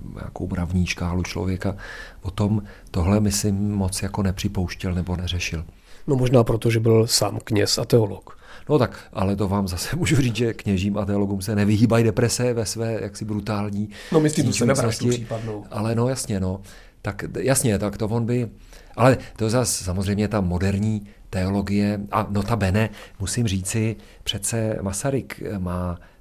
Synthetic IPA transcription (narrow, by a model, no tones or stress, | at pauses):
ɲa̰ːkowbɾavɲiːʃkaːlut͡ʃlo̞̰vjɛkapo̞t̪o̞mt̪o̞ɦlɛmɪsɪmːo̞t͡sjako̞nɛpr̝̥ɪpo̞wʃcɛlnɛbo̞nɛrɛʃɪl | nomoʒnaːpɾot̪oʒɛbɪlsaːmkɲɛsat̪ɛolok | not̪akʔalɛt̪ovaːmzasɛmuːʒuriːt͡sʒɛkɲɛʒiːmat̪ɛo̞lo̞ɡumsɛnɛvɪɦiːbajdɛpɾɛsɛvɛsvɛːjaksɪbɾut̪aːlɲiːnomɪslioscɪriːpadnowʔalɛno̞jasɲɛno̞ | t̪akjasɲɛt̪akt̪ovo̞nbɪ | ʔalɛt̪ozassamozrɛjmɲɛt̪amo̞dɛɾɲiː | t̪ɛo̞lo̞ɡɪjɛʔano̞t̪abɛnɛmusɪmriːt͡sɪ | pr̥ɛt̪t͡sɛmasaɾɪkmaː